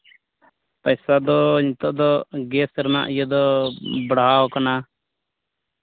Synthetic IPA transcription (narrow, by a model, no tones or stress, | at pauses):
pəjsad̪ɔɲit̪ɔʔd̪ɔɡɛsɾna̰ʔijəd̪ɔbɽaɦawkana